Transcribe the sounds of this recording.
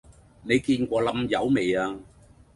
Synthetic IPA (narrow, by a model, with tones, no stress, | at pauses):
ne˨˧jkiː˧nkʷɔː˧lɐ˨˧mjɐ˨˧wme˨jaː˧